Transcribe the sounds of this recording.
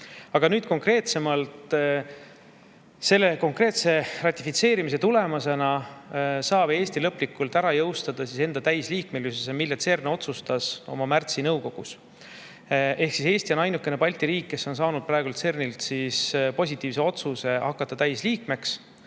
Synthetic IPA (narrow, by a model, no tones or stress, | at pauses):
ɑɡ̥ɑnyːd̪̥ko̞ŋkre̞ːt̪se̞mɑlt̪ | se̞lːe̞ko̞ŋkre̞ːt̪se̞rɑt̪ʲːifit̪se̞ːɾimis̬e̞t̪ule̞mɑse̞nɑ | sɑːb̥e̞ːsʲt̪ilɤpːˑlikːult̪æɾɑjɤwst̪ɑd̪̥ɑsise̞nd̪̥ɑt̪æjsliːk̚melysesemilːet̪se̞rneo̞t̪sust̪ɑso̞̰mɑmært̪sinɤwko̞ɡ̥us | ʔe̞hksise̞ːsʲt̪io̞nɑjnukːˑe̞ne̞pɑlʲt̪iɾiːkːe̞so̞ns̬ɑːnud̪̥̚prɑe̞ɡ̥ult̪se̞rnilt̪sispo̞s̬ʲit̪ːˑiːvs̬e̞o̞t̪suse̞hɑkːˑɑt̪ːˑɑt̪æjsliːkme̞ks